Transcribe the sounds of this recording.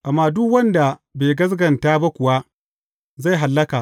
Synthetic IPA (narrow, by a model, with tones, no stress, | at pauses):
ʔa˨mːaː˨dʊ˦kwɐ˦nda˨beː˨ɡɐ˦s̬ɡɐ˨ntaː˦ba˦kʷʊ˨wa˦ | za˦˨jɦa˨lːɐ˦ka˨